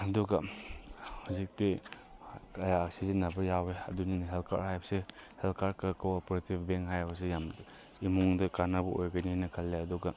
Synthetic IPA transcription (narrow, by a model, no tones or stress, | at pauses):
ɐduɡa | hazik̚ti | ɐjaːk̚sizinabɐjaweɐ̰duninɦelkʰa̰ɾhajbɐsehelkʰaɾkɯkʰɯwɔpoɾetibʰbeŋɦajbɐs̬ejam | imuŋdɐkanabuʔojɡaninɐkʰalːeɐduɡa